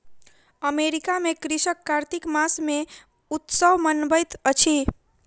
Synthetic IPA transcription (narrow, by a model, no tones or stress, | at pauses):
əmeɾikamekɾisəkːaɾt̪ikmasme | ut̪səwmənbəjt̪ət͡ʃʰi